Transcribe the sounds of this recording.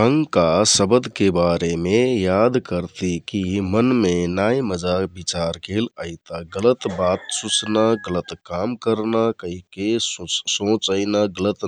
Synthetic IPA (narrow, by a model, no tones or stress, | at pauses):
əŋɡkasəbəd̪ʱkebaɾemejad̪kəɾt̪ikimənmenajməd͡ʒabit͡ʃaɾkeləit̪aɡələt̪bat̪sut͡ʃnaɡələt̪kamkəɾnakəɦikessõt͡ʃəɪnaɡələt̪